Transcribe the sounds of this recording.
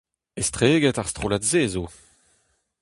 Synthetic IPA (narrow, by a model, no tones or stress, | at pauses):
est̪χeːɡɛtaʁst̪χolatzeːzo